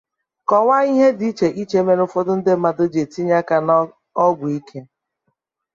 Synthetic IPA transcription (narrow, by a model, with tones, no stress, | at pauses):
kɔ˨ŋʷa˦i˦ɦe˦di˨˦i˦t͡ʃe˨ʔi˦t͡ʃe˨˦me˦nʊ˦fɔ˦dʊ˦n̩˦dɪ˦ma˨dʊ˦d͡ʒe˨ti˦ɲa˦ka˨n | ɔ˦ɡʷʊ˨i˦kʰe˦